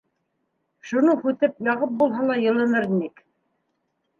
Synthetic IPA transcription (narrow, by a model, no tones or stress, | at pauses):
ʃunɤhʉt̪ɘpjɑʁɤp̚bulˠɦɑlˠɑjɤ̆lˠɤ̆nɤɾnik